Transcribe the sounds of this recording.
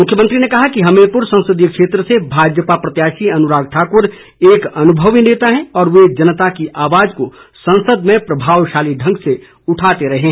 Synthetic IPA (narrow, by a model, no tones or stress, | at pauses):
mʊkʰjəmə̃nt̪ɾinekɐɦakiɦɐmepʊɾsɐ̃nsəd̪ikʃeːt̪ɾəsebʱaːd͡ʒəpapɾɐt̪jaːʃiɐnʊɾaːɡ̚ʈʰaːkʊɾ | eːkɐnʊbʱəʋeneːt̪aɦɛ̃ɔːɾʋed͡ʒɐnət̪akiʔaːʋaːd͡ʒkosɐ̃nsəd̪mẽpɾɐbʱaːwʃaːliɖʱɐ̃ŋɡse | ʊʈʰaːt̪eɾɐɦe